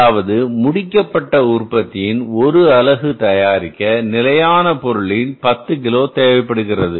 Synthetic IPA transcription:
aːʋɐðɯmʊɽɪkːɐpːɐʈːɐʊrpɐt̪ːɪɪnɔɾɯɐlɐɣɯt̪ɐjaːɾɪkːɐnɪlɐjaːnɐpɔɾɯɭɪnpɐt̪ːɯkɪloːt̪eːʋɐɪpːɐɽɯɣɪrɐðɯ

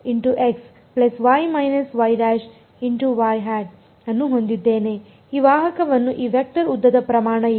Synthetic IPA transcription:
iɳʈuʔeks | plɐsʋajmɐjnɐsʋɐjɖæːʃ | iɳʈuʋajɦaːɖ | ɐnːuɦond̪id̪ːeːne | iːʋaːɦɐkɐʋɐnːuʔiːʋek̚ʈɐɾud̪ːɐd̪ɐpɾɐmaːɳɐ

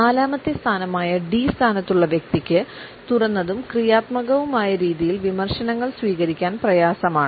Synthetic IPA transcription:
naːlaːmɐt̪jɐst̪ʰaːnɐmaːjɐɖist̪ʰaːnɐt̪ːuɭːɐʋjɐk̚t̪ikʲːɨ | t̪urɐnːɐðumkrijaːt̪mɐɣɐʋumaːjɐɾiːðijilʋimɐrʂɐnɐŋːɐɭsʋiːɣɐɾikʲːaːnprɐjaːsɐmaːɳɨ

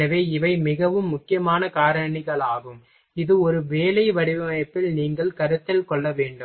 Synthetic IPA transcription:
ɐʋeːɪʋɐɪmɪɣɐʋɯmːʊkːɪjɐmaːnɐkaːɾɐɳɪɣɐɭaːɣɯm | ɪðɯɔɾɯʋeːlɐɪʋɐɽɪʋɐɐpːɪlniːŋɡɐɭkɐɾɯt̪ːɪlkɔɭːɐʋeːɳɖɯm

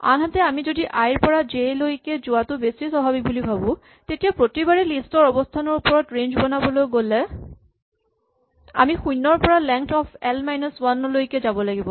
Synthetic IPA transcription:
a̰nɦatɛamizodiʔajɹpɔɹazejlojkɛzʊwatʊbesisɔbʱabik̚bulibʱabɔ̃ | tetijapɹotibaɹɛlistɔɹɔbɔstʰanɔɹupɔɹɔtɹend͡ʒbɔnabɔlojɡolɛ | a̰mixujnːɔɹpɔɹalɛŋktɔpʰɛlmajnɔswanlojkɛzabɔlaɡibɔ

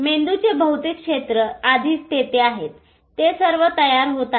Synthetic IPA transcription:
mend̪ut͡sebəɦut̪ikʂet̪ɾəad̪ʱiːst̪et̪eaɦet̪ː | esəɾʋət̪əjaɾɦot̪a

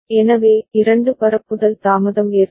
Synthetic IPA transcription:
ɛnɐʋeːɪɾɐɳɖɯpɐɾɐpːɯðɐlt̪aːmɐðɐmeːɾ

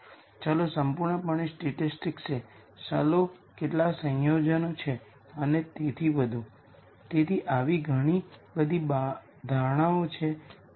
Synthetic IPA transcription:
t͡ʃalosəmpuɾɳəpaɽ̃isʈeʈɪsʈɪkse | t͡ʃalo | keʈlasə̃jod͡ʒənot͡ʃʰe | ənet̪et̪ʰiʋəd̪ʱũ | t̪et̪ʰiʔaʋiɡʱəɽ̃ibəd̪ʱib | d̪ʱaʋɳ̃aot͡ʃʰe

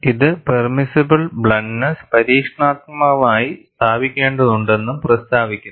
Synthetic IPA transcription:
iðɨpermisɐbɨlbɭɐɳnɐspɐɾiːkʂɳaːt̪̚mɐʋaːjist̪ʰaːbikʲːe̞ːɳɖɐðuɳɖe̞nːumprɐst̪ʰaːʋikʲːunː

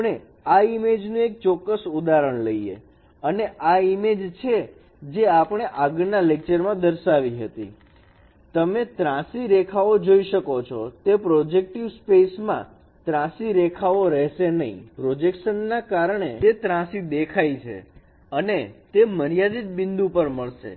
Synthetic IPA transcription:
ɳe | aimed͡ʒnũek̚t͡ʃɔkːəsud̪aɾəɳ̃ləiḛ | əneʔaimed͡ʒt͡ʃʰe | d͡ʒeapɳ̃eʔaɡnalek̚t͡ʃəɾmãd̪əɾʃaʋiɦət̪ḭ | t̪əmet̪ɾãsiɾekʰaʋod͡ʒoiʃəkot͡ʃʰot̪epɾod͡ʒek̚ʈiʋspesmã̰ | t̪ɾãsiɾekʰaʋoɾɛɦʃenəɦḭ̃pɾod͡ʒekʃənːakaɾɳeet̪ɾãsid̪ekʰajt͡ʃʰḛ | ənet̪eməɾijad̪it̪̚bɪnd̪ũpəɾməɭʃḛ

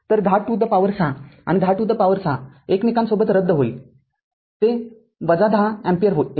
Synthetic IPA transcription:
t̪əɾɡʱaʈud̪ʱːəpaʋəɾsãa̰ñiɡ̪ʱaʈud̪ːəpaʋəɾsã | eknikansobət̪ɾəd̪ːəɦoiː | t̪e | ʋəd͡zad̪ʱãɛ̃mpijəɾɦo

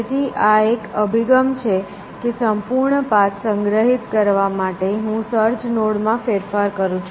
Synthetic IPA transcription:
t̪ʰiʔaekəbʱiɡəmt͡ʃʰe | kesəmpuɾɳəpat̪səŋɡɾəɦit̪kəɾʋamaʈeɦũsəɾt͡ʃnoɽmãfeɾfaɾkəɾũt͡ʃʰ

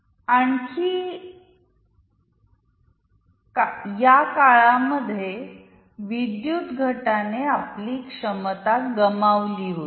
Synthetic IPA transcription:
aɳkiː | kjakaɭaməd̪ʱːje | ʋid̪jut̪ɡʱəʈaneapliːkʂəmət̪at̪ɡəmaʋliɦot̪

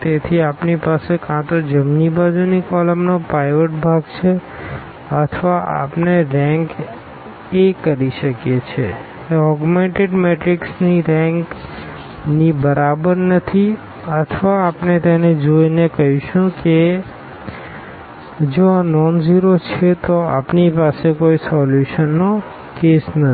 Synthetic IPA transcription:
t̪et̪ʰiapnipasekãt̪od͡ʒəmnibad͡ʒunikɔləmnopɾajʋəʈ̚bʱaɡt͡ʃʰe | ət̪ʰʋaʔa̰pneɾɛ̃ŋk | ekəɾiʃəkjet͡ʃʰe | ɔɡmeɳʈeɖmeʈɾiksniɾɛ̃ŋk | nibəɾʔabəɾnət̪ʰi | ət̪ʰʋaːpnet̪ened͡ʒoinekəɦũʃũke | d͡ʒoanɔnziɾot͡ʃʰet̪oa̰pnipasekoisɔljuʃənːo | kesnə

